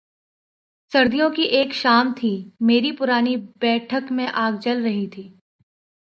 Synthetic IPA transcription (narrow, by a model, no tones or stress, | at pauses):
sɐɾd̪ijõkiʔeːkʃaːmt̪ʰimeːɾipʊɾaːnibɛːʈʰəkmẽʔaːɡd͡ʒɐlɾɐɦit̪ʰiː